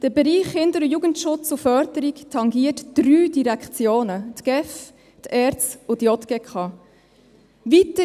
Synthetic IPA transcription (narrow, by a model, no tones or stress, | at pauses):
d̥əbɛɾiːχhɪndəɾʊjuːɡəntʃʊt͡sʊfœɾdəɾiktʰɑŋɡiətd̥ɾyːdiɾækχt͡sjoːnət̪ɡ̥ɛf | t̪ʰɛːɾt͡sʊdjɔt̪ɡ̥ɛkχɑː | ʋitə